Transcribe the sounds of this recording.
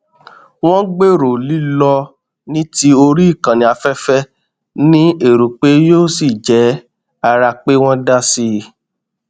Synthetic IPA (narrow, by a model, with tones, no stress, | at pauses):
w̃ɔ̃˦ɡ͡be˦˨ɾo˨li˨˦lɔ˧ | nĩ˦ti˦o˧ɾi˦i˦˨kã˨nĩ˨a˧fɛ˦fɛ˦ | nĩ˦e˨ɾu˨k͡pe˨˦joː˦˨si˨d͡ʒɛ˨˦ | a˧ɾa˧k͡pe˦w̃ɔ̃˦da˦si˧